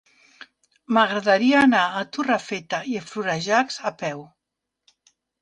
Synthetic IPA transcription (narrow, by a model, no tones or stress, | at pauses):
maɣɾaðaɾiaːnaːt̪urafet̪aiəfluɾaʒakzapɛw